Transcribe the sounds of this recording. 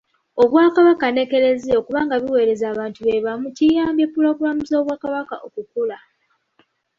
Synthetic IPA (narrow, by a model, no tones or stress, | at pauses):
o̞βwaːkaβakane̞ke̞ɾezeo̞kuβaːŋɡaβiwe̞ːɾe̞zaːβaːntuβe̞βamucijaːmbjepːuloːβulamuzo̞ːβwaːkaβakaʔokukula